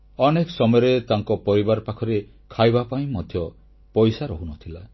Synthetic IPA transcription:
ɔnekɔsɔmɔjɔɾet̪aŋkɔpɔɾibaɾpakʰɔɾe | kʰajbapaĩmɔd̪ʱjɔ | pɔjsaɾɔɦunɔt̪ʰila

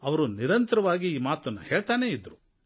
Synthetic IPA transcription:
ɐʋɐɾuniɾɐnt̪ɐɾɐʋaːɡiːmaːt̪ɐnːɐhe̞ːɭt̪aːne̞ːid̪ːɾu

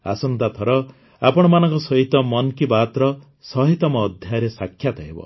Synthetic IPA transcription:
a̰sɔnd̪at̪ʰɔɾɔ | apɔɽ̃ɔmanɔŋkɔsɔɦit̪ɔmɔnkibat̪ɾɔ | sɔɦit̪ɔmɔːd̪ʱjajɔɾesakʰːjat̪aɦebɔ̰

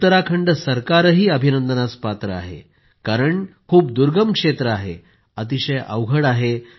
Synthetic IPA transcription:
ut̪ːəɾakʰəɳɖəsəɾkaɾɦiːəbʱinənd̪ənat͡spat̪ɾəa̰ɦḛ | kaɾəɳkʰuːp̚d̪uɾɡəmkʂet̪ɾəaɦe | ət̪iɕəjʔə̰ʋɡʱəɽaɦe

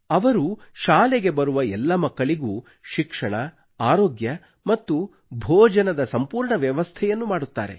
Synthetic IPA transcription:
ɐʋɐɾuʃaːlɛɡe̞bɐɾuʋɐɛlːɐmɐkːɐɭiɡuː | ʃikʂɐɳɐ | aːɾoːɡjɐ | mɐt̪ːu | bʱɔːd͡ʒɐnɐd̪ɐsɐmpuːɾɳɐʋjɐʋɐst̪ʰɛjɐnːumaːɽut̪ːa̰ːɾe̞̰

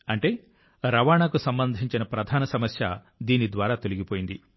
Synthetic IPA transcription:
ɐɳʈe̞ː | ɾɐʋaːɳaːkusɐmbɐnd̪ʱiɲt͡ʃinɐpɾɐd̪ʱaːnɐsɐmɐsjɐ̰ | d̪iːnid̪ʋaːɾaːt̪o̞liɡipoːjind̪i

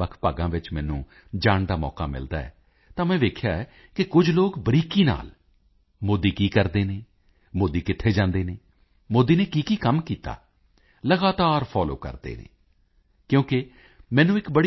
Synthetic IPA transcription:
əkʰpaːɡãːʋɪt͡ʃmɛ̃ːnṵ̃ː | d͡ʒaːɳd̪aːmɔ̰ːka̰ːmɪ̰ld̪aːɛ̰ː | t̪ãːmɛ̃ːʋeːkʰjaːɛː | kɪkʊd͡ʒloːkbəɾiːkiːna̰ːl | moːd̪iːkiːkəɾd̪eːneː | moːd̪iːkɪt̪ʰːeːd͡ʒãːnd̪eːneː | moːd̪iːneːkiːkiːkəmkiːt̪a̰ː | ləɡaːt̪aːɾpʰɔːlo̰ːkə̰ɾd̪ḛːnḛː | kjõːkɪ | mɛ̃ːnũːɪkbəɽi

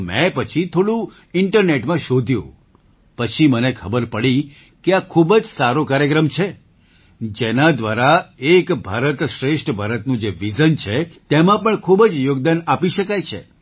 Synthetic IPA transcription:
mɛ̰̃pət͡ʃʰit̪ʰoɽũ | ɪɳʈəɾneʈmãʃod̪ʱjṵ̃ | pət͡ʃʰimənekʰəbəɾpəɭi | keakʰubəd͡ʒsaɾokaɾjəkɾəmt͡ʃʰe | d͡ʒenad̪ʋaɾaekbʱaɾət̪ʃɾeʃʈʰbʱaɾət̪nũd͡ʒeʋid͡ʒənt͡ʃʰet̪emãpəɳkʰubəd͡ʒjoɡ̚d̪anapiʃəkajt͡ʃʰḛ

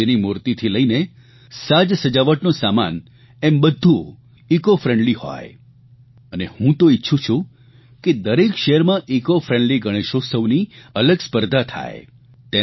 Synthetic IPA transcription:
enimuɾt̪it̪ʰiləine | sad͡ʒsəd͡ʒaʋəʈnosama̰n | embəd̪ʱːu | ikofɾẽɳɖlihɔ̰j | ənehũt̪oitːʃʰut͡ʃʰũ | ked̪əɾekʃeəɾmãʔikofɾẽɳɖliɡəɽ̃eʃosəʋniələɡspəɾd̪ʱat̪ʰa̰e | t̪e

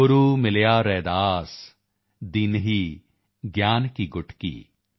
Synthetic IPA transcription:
ʊɾuːmɪljaːɾɛːd̪aːs | d̪ɪnɦiː | ɡjaːnkiɡʊʈʰkḭː

